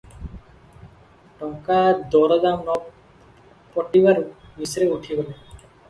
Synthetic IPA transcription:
ʈɔŋkad̪ɔɾɔd̪amnɔ | pɔʈːiβaɾmisɾeuʈʰiɡɔle

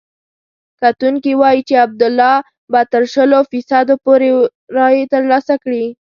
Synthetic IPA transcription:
kat̪uŋkiwɑjit͡ʃeab̚d̪ʊlːɑ | bɑt̪əɾʃəlofisad̪opoɾeɾɑjet̪əɾlɑsakɽi

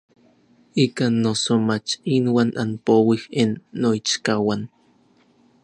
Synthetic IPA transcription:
ikanːosomat͡ʃinwanʔa̰npowihenːoit͡ʃkawan

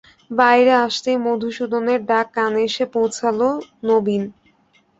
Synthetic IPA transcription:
bajɾeaʃt̪ejmod̪ʱuʃud̪oneɾɖakːaneeʃepowt͡ɕʰalonobin

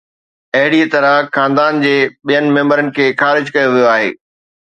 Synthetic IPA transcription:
ɐɦɪɽit̪ɐɾəxãːnd̪aːnd͡ʑeːɓijənɪ̆mẽːmbəɾənɪ̆kʰeːxaːɾɪd͡ʑkɐjoʋijoaːɦḛː

